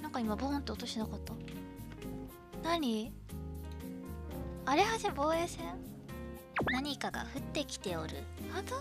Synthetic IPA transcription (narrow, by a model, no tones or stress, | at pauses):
nãŋkɑaimabõnt̪ːe̞ot̪o̞ɕinakat̪ːa | naɲ̟i | aɾe̞haʑabo̞ːeːsẽ | naɲ̟ikaɡa̰ɸɯ̟t̪ːe̞kʲi̥t̪e̞oɾɯ̟̰hat̪o